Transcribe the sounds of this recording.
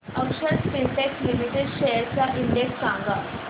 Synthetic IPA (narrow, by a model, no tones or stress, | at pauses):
əkʂəɾiɳʈekslimiʈeɖɕejəɾt͡ɕjaʔiɳɖeksːãŋɡa